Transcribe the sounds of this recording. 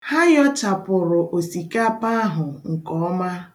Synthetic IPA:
ha˦jɔ˦t͡ʃa˨pʊ˨ɾʊ˨ʔo˨si˨ka˦pa˦a˦ɦʊ˨ŋ̩˨kɔ˦ɔ˦ma˦

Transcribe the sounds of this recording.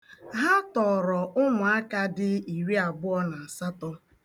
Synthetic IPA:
ɦa˦tɔ˨ɾɔ˨ʔʊ˦mʊ˨a˦ka˦dɪ˦i˨ɾe˦a˨bʊ˦ɔ˦na˨a˨sa˦tɔ˦

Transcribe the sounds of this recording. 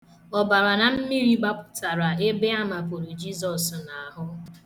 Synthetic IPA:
ɔ˨ba˨ɾa˨na˨m̩˦mi˦ɾi˦ɡ͡ba˦pʊ̥˦ta˨ɾa˨e˦be˦a˦ma˨po˨ɾu˨d͡ʒi˦zɔ˨sna˨ɦʊ˦

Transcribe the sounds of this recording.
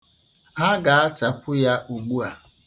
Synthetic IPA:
ɦa˦ɡa˨a˦t͡ʃa˨kʷʊ˦ja˦ʔu˨ɡ͡bu˦a˨

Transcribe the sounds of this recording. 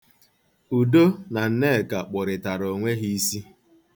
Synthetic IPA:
u˨do˦na˨n̩˦ne˦˨ka˨k͡pʊ˨ɾɪ˨ta˨ɾo˨ŋʷe˦ɦi˦i˦si˦

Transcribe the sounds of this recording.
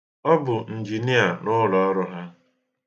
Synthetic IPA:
ɔ˦bʊ˨n̩˨d͡ʒi˨ni˦a˨nʊ˦lɔ˨ɔ˦ɾʊ˦ɦa˦

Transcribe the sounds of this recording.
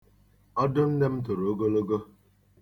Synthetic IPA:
ɔ˦dʊ˦n̩˦de˦m̩˦t̬ʊ˨ɾo˨o˦ɡo˦lo˦ɡo˦

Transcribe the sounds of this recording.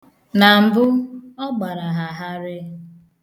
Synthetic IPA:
na˨m̩˨bʊ˦ɔ˦ɡ͡ba˨ɾa˨ɦa˨ɦa˦ɾɪ˦

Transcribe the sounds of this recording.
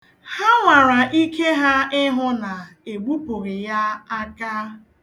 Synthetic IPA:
ha˦ŋʷa˨ɾa˨ʔi˦ke˦ɦa˦ɪ˦ɦʊ˦na˨e˨ɡ͡bu˦pʊ˨ɣɪ˨ja˦a˦ka˦

